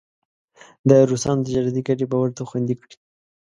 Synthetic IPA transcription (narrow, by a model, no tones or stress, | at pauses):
d̪əɾusɑnod̪əd͡ʒɑɾad̪ikaʈebawaɾt̪axwand̪ikɽi̥